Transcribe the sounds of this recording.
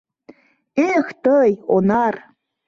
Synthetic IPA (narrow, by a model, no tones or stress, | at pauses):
ext̪əjonar